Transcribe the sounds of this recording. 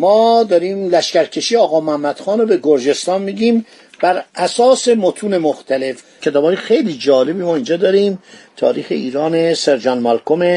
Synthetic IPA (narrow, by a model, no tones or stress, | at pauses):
mɒːd̪ɒːɾiːmlæʃcæɾcʰe̞ʃiːeɒːɣɒːmohæmːæd̪̥xɒːnɾobeɡoɾd͡ʒe̞st̪ɒːnmiːɟiːm | b̥æɾʔæsɒːse̞mot̪ʰuːne̞moxt̪ʰæle̞f | kʰe̞t̪ʰɒːbɒːjexe̞jliːd͡ʒɒːle̞biːmɒːind͡ʒɒːd̪ɒːɾiːmt̪ʰɒ̰ːɾiːxḛiːɾɒːneseɾd͡ʒɒnmɒlkʰome